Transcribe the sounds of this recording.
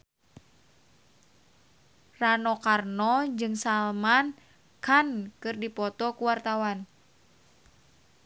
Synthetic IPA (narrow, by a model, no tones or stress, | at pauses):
ranɔkarnɔd͡ʒɨŋsalman | kankɨrdipɔt̪ɔkuwart̪awan